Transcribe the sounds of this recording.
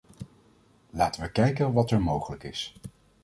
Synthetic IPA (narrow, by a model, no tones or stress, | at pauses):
laːtəʋəkɛjkənʋɑtɛɹmowχələkɪs